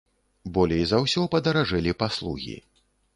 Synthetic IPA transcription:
bɔlʲɛjzɐwsʲɔpɐd̪ɐɾaʐɛlʲipaslˠṵɣʲḭ

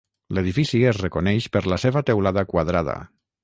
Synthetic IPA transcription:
leðifisiesrekonɛʃpəɾlaseβat̪ewlaðakwað̞ɾaða̰

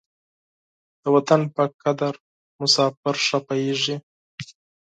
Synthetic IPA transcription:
d̪̥əwat̪anpəkad̪aɾ | mʊsɑfɪɾʂapajeʐi

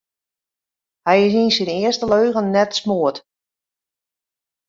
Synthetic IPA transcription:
hɛjɪsinsɪnɪəstəløːɣənnɛtsmoət

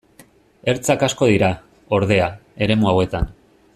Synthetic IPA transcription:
e̞ɾt͡sakasko̞ðiɾa | o̞ɾðe̞ae̞ɾe̞muawe̞t̪an

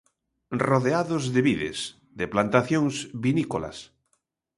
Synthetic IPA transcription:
roðeaðozðeβiðḛs | ðeplant̪aθjõŋzβinikola̰s

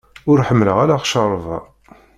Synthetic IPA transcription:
ʊɾħəmːləʁalaχʃɑɾˤvɑ̰

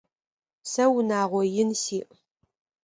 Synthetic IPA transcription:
sɐwnaːʁʷɔjɪnsiːʔ

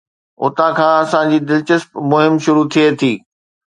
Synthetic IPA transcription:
ʊ̰t̪ãkʰãːɐsãd͡ʑiːd̪ɪlt͡ɕəspmʊɦɪmʃʊɾut̪ʰiet̪ʰiː

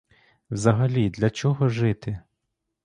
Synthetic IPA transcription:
wzɐɦɐlʲid̪lʲɐt͡ʃɔɦɔʒɪt̪ɪ

